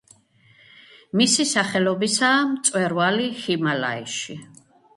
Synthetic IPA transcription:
misisaχɛlɔbisaːmt̪sʼwɛɾvalihimala̰ḭʃi

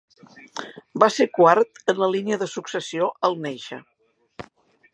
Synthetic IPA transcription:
basekwaɾt̪ənləliniəðəsuksəsioʔəlˠneʃə̰

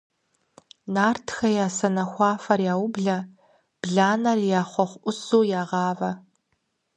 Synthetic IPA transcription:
naːrtʰxɐjaːsɐnɐxʷɑːfɐrjaːwʊbɮɐ | b̥ɮaːnɐrjaːχʷɔχʷʔʊsuːjaːʁɑːvɐ

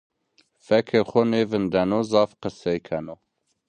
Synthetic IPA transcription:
fɛkʰexʷɔneːvɨnd̪ɛnozɑːfqəsejkʰɛno

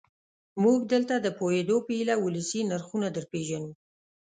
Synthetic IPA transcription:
muɡ̚d̪əlt̪ad̪əpojed̪opəilawuləsinaɾxunad̪əɾpeʒanu

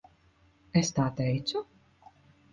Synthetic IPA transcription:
ɛst̪aːt̪ɛjt̪sʲʊ

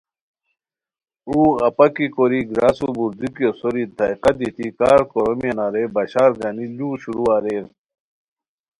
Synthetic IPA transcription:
uːɐpɐkikoɾiɡɾaːsubuɾd̪ikjosoɾit̪aiqɐt̪it̪ikaːɾkoɾomiɐnaːɾebɐɕaːɾɡaniluːɕuɾuːaːɾe

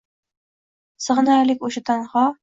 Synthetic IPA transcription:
sɤ̆ʁɤ̆nɑːlikuɕɤ̆t̪ɑɴʁɑ

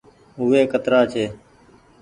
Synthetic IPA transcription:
ʊʋeːkət̪ɾaːt͡ʃʰeː

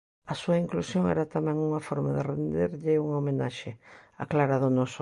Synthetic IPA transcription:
ɐsuɐiŋklusjoŋɛ̰ɾɐt̪amɛ̃ŋuŋɐfɔɾmaðɪrend̪eɾʎɪuŋaomenaʃea̰klaɾaðʊnɔs

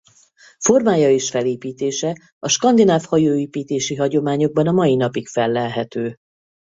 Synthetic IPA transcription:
fo̞rmaːjɒeːʃfɛleːpiːt̪eːʃɛ | ɒʃkɒnd̪inaːfhɒjoːeːpiːt̪eːʃiɦɒɟo̞maːɲo̞ɡ̚bɒnɒmɒjinɒpikfɛlːɛlɦɛt̪øː

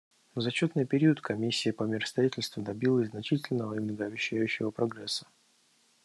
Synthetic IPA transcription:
zɐt͡ɕot̪nɨjpʲɪɾʲiət̪kɐmʲisʲːɪːpəmʲɪɾəst̪ɾɐitʲɪlʲst̪vʊd̪ɐbʲilˠəzʲznɐt͡ɕitʲɪlʲnəvəimnəɡəːbʲɪɕːæjʉɕːɪvəpɾɐɡɾɛsːə̥

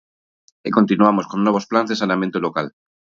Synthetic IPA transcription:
eko̞nt̪inuamo̞skonːwe̞β̞osplanzðe̞sanament̪olokal

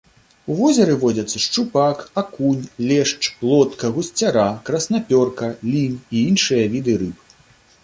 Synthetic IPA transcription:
uvɔzʲɐɾɨvɔd͡zʲɐt̪sːɐʂt͡ʂupakakunʲlʲɛʂt͡ʂplˠɔt̪kɐɣusʲt͡sʲaɾakɾɐsnapʲɔrkɐlʲiniinʂɨjɐvʲid̪ɨɾɨp

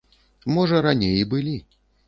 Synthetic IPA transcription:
mɔʐɐɾanʲejbɨlʲi

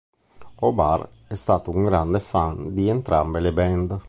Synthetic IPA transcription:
ɔbaɾ | ɛst̪aːt̪ouŋɡɾand̪efand̪ient̪ɾa̰mbelebɛnd̪

